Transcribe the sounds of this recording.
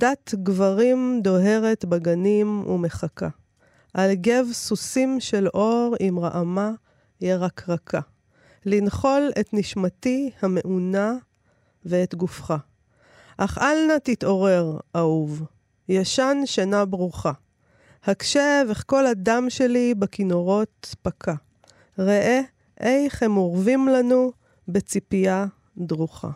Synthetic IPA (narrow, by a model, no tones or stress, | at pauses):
d̪atɡvaʁimd̪o̞ɦe̞ʁetbaɡanimṵme̞χaka | ʔalɡe̞vsusimʃe̞lʔo̞ʁimʁa̰ʔama | jeʁakʰʁakʰa | linχo̞letniʃmatihame̞ʔuna | veːt̪ɡufχa | ʔaχʔalnat̪it̪o̞ʁe̞ʁʔauv | jaʃanʃanabʁuχa | hakʃe̞veχko̞ladamʃe̞libekino̞ʁo̞t̪̚pakʰa | ʁeʔe | ʔejχemoʁvimlanu | bet͡sipija | d̪ʁuχa̰